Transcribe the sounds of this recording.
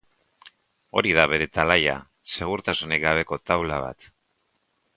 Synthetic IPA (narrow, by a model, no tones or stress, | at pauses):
o̞ɾið̞aβe̞ɾe̞t̪alaja̰ | se̞ɣ̞uɾt̪asunekɡaβ̞e̞ko̞t̪awlaβ̞a̰t̪